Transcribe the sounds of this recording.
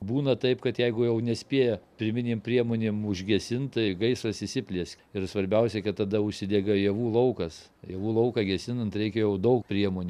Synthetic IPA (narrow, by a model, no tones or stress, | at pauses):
buːnɐt̪ɐɪpkɐt̪jɛɪɡʊjɛʊnʲɛsʲpʲiːjɛpʲɾʲɪmʲɪnʲeːmpʲɾʲiɛmoːnʲeːmʊʒʲɡʲɛsʲɪnt̪tɐɪɡɐɪsrɐsɪsʲɪpʲlʲiɛsʲ | ɪrsʋɐɾʲbʲɛʊsʲɛkɐt̪t̪ːɐd̪ɐʊʃʲsʲɪd̪ʲeːɡɐjiɛʋuːlˠɐʊkɐs | jiɛʋuːlˠɐʊkɑɡʲɛsʲɪnɐnt̪ɾʲɛɪkʲɛjɛʊd̪ɐʊkpʲɾʲiɛmoːnʲu